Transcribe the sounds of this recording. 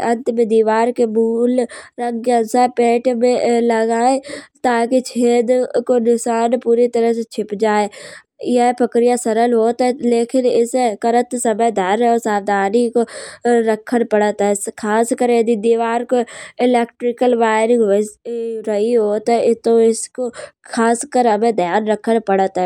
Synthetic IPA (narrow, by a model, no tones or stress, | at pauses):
ɐnt̪mẽd̪iːʋaːɾkemuːlɾɐŋɡjə̃sapeːʈmẽlɐɡaːet̪aːkit͡ʃʰeːd̪konɪsaːnpuːɾit̪ɐɾəɦset͡ʃʰɪpd͡ʒaːe | ɪapɐkɾijasɐɾəlɦoːt̪ɐleːkʰɪnɪskɐɾət̪sɐməjd̪ʱaːɾosaːʋd̪ʱaːnikoɾɐkʰəɽpɐɽət̪ɦɛkʰaːskəɾẽd̪id̪iːʋaːɾkoɪleːkʈɾɪkəlʋaːɾɪ̃ŋɡʋ | ɾɐɦiɦoːt̪ɦɛɪt̪oɪskokʰaːskəɾɦɐmẽd̪ʱjaːnɾɐkʰəɽpɐɽət̪ɦɛː